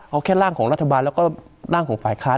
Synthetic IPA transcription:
ʔa˧kʰɛː˥˩ɾaː˥˩ŋkʰɔː˩˦ŋɾa˦˥t̪ʰːa˧baː˧nlɛː˦˥wkɔː˥˩ | ɾaː˥˩ŋkʰɔː˩˦ŋfaː˨˩jkʰaː˦˥

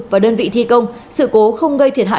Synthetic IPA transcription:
k̚vaː˨˩ɗəː˧nvḭ˧˨t̪ʰi˧kə˧wŋ͡m | sɨ̰˧˨ko˨˦xə˧wŋ͡mɣə˧jt̪ʰi˨˩ət̚ɦa̰ː˧˨

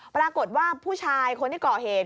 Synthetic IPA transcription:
pɾaː˧ko˨˩t̪̚waː˥˩pʰuː˥˩t͡ɕʰaː˧jkʰo˧nt̪ʰi˥˩kɔː˨˩ɦeː˨˩t̪̚

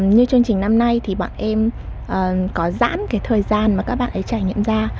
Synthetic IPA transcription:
ɲɨ˧t͡ɕɨ˧əŋt͡ɕï˨˩ŋ̟na˧mna˧jt̪ʰi˨˩ɓa̰ː˧˨nʔɛ˧mʔəː˨˩kɔ˨˦za̰ː˧˥mkaː˨˦jt̪ʰəː˨˩jzaː˧nmaː˨˩kaː˦˥k̚ɓa̰ː˧˨nʔə˨˦jt͡ɕaː˧˩jɲḭ˧˨əmzaː˧

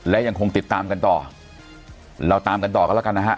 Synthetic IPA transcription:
lɛ˦˥ja˧ŋkʰo˧ŋt̪i˨˩t̪ːaː˧mka˧nt̪ɔː˨˩ | ɾa˧wt̪aː˧mka˧nt̪ɔː˨˩kɔː˦˥˩la˥˩ka˧nːa˦˥kʰa˦˥ʔ

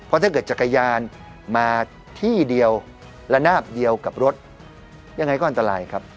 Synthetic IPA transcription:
pʰɔ˦˥t̪ʰaː˥˩kɤː˨˩t̪̚t͡ɕa˨˩ka˧jaː˧n | maː˧ | t̪ʰiː˥˩di˧əw | lɛ˦˥naː˥˩p̚di˧əwka˨˩p̚ɾo˦˥t̪̚ | ja˧ŋː˧jkɔː˥˩ʔnt̪a˧ɾaː˧jkʰa˦˥p̚

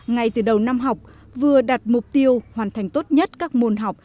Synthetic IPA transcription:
ŋa˨˩jt̪ɨ˨˩ɗə˨˩wna˧mɦa˨˩wk͡p̚ | vɨ˨˩əɗa˨˩t̚mʊ˨˩k͡p̚t̪i˧əwhwaː˨˩nt̪ʰa˨˩jŋ̟t̪o˦˥t̚ɲə˦˥t̚kaː˦˥k̚mo˧nɦa˨˩wk͡p̚

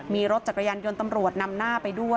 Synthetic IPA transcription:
miː˧ɾo˦˥t̪̚t͡ɕa˨˩ka˧jaː˧njo˧nt̪a˧mɾu˨˩ət̪̚na˧mnaː˥˩pa˧jdu˥˩ə

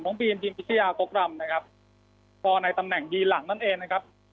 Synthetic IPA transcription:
nɔː˦˥ŋbiː˧nt̪ʰiː˧mwi˦˥t̪ʰi˧˩jaː˧ko˦˥k̚ɾa˧mna˦˥kʰa˦˥p̚ | pʰɔː˧na˧jt̪a˧mnɛ˨˩ŋbiː˧la˩˦ŋna˥˩nʔeː˧ŋna˦˥kʰa˦˥p̚

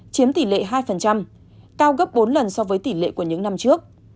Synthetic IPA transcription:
t͡ɕi˨˦mt̪i˧˩lḛ˧˨ɦaː˧jfə˨˩nt͡ɕa˧m | kaː˧wɣə˦˥p̚ɓo˨˦nlə˨˩nsɔ˧vəː˨˦jt̪i˧˩lḛ˧˨ku˧˩əɲɨ̰˧˥ŋna˧mt͡ɕɨ˦˥ək̚

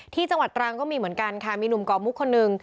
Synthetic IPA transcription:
t̪ʰiː˥˩t͡ɕa˧ŋwa˨˩t̪ːɾaː˧ŋkɔː˥˩miː˧mɯ˩˦ənka˧nkʰa˥˩miː˧nu˨˩mkɔː˨˩mu˦˥kʰːo˧nːɯ˨˧ŋ

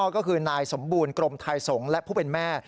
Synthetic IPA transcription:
kɔː˥˩kʰɯː˧naː˧jso˩˦mbuː˧nkɾo˧mt̪ʰa˧jso˩˦ŋlɛ˦˥ʔpʰuː˥˩pe˧nmɛː˥˩

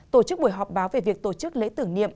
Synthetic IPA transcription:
t̪o˧˩t͡ɕɨ˦˥k̚ɓu˧˩əjɦɔ˨˩p̚ɓaː˨˦wve˨˩vi˨˩ək̚t̪o˧˩t͡ɕɨ˦˥k̚lḛ˧˥t̪ɨ˨˧˩əŋnḭ˧˨əm

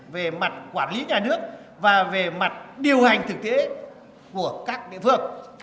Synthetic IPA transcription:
ve˨˩ma˨˩t̚kwaː˧˩nli˨˦ɲaː˨˩nɨ˦˥ək̚ | vaː˨˩ve˨˩ma˨˩t̚ɗi˨˩əwha˨˩jŋ̟t̪ʰɨ˨˩k̚t̪e˨˦ | ku˧˩əkaː˦˥k̚ɗḭ˧˨fɨ˧˩əŋ

